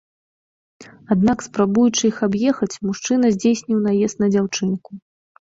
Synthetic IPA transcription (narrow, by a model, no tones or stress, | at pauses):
ad̪nakspɾabujut͡ʂɨixabjɛxɐt͡sʲmuʂt͡ʂɨnɐzʲd͡zʲejsʲnʲiwnajɛst̪nɐd͡zʲawt͡ʂɨnku